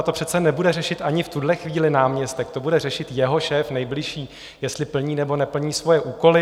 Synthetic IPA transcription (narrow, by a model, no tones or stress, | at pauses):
t̪o̞pr̥ɛt̪t͡sɛnɛbudɛrɛʃɪt̪ʔaɲɪft̪udlɛxviːlɪnaːmɲɛst̪ɛkt̪o̞budɛr̝ɛʃɪt̪jɛɦo̞ʃɛːfnɛjblɪʃiː | jɛst̪lɪpl̩ɲiːnɛbo̞nɛpl̩ɲiːsvo̞jɛʔuːko̞lɪ